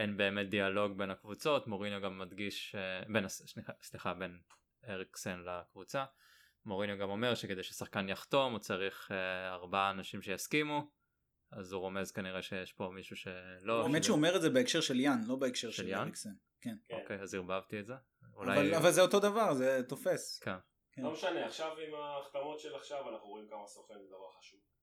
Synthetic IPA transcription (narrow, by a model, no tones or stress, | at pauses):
ʔenbe̞ːmet̪̚d̪ialo̞ɡbenakvut͡so̞t̪moʁinoɡamːad̪ɡiʃebenasslisliχaben | eʁiksenlakvut͡sa | mo̞ʁinjoɡamo̞me̞ʁʃeke̞d̪ejʃesaχkanjaχt̪o̞mut͡saʁiχeaʁbaaːnaʃimʃejaskimu | azuʁo̞me̞zkaniʁeʃejeʃpo̞miʃuʃeloemetʃeuome̞ʁetzebeekʃe̞ʁʃeljanlo̞beekʃeʁʃeljanʁiksen | kenkokejaziʁbavt̪ietze | ṵlaa̰jvalavalzeoto̞d̪avaʁzet̪ofe̞sken | kelomeʃaneaχʃavimaːχt̪amo̞tʃelaχʃavanaχnuʁo̞imkamasʁofimzed̪avaʁχḁʃuv